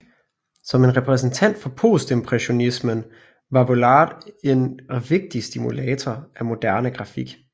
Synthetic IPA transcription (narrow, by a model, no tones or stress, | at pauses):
sɒ̽me̝nʁɛpʰʁɛs̬n̩t͡sʰæn̰d̥fɒ̽pʰo̝̰ːsd̥e̝mpʰʁɛɕo̝nismən | ʋɑ̈ʋolɑ̈ːd̥e̝nʋe̝ɡ̥̚d̥isd̥imulɛːt͡sʰɒʔæmo̝d̥æɐnəɡ̥ʁɑ̈fiɡ̥